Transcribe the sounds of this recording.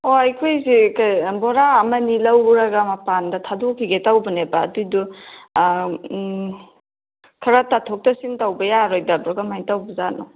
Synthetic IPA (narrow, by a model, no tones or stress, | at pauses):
oajkʰojzikajbɔɾaːmɐnilɐwɾɐɡɐmɐpandɐtʰadokʰiɡetawbɐnebɐːdujdu | kʰɐɾatatʰok̚tɐsintawbɐjaɾojdɐbɾɔɡamajtawbɐzanɔ